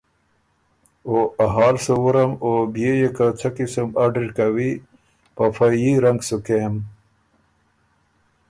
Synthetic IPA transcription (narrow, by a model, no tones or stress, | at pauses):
oɐɦaːlsowuɾɐmobijejekat͡sʰɐkisəmaɖɾikawi | pafajiɾɐŋɡsukem